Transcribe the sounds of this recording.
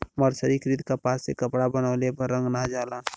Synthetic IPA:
məɾsəɾikɾit̪kapaːsekəpɽabənəlepəɾːə̃ŋɡnad͡ʒalaːn

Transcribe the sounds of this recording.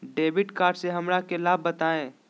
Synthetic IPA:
ɖeːbɪʈkaːɾɖseɦɐmɾakelaːbːɐt̪aːẽː

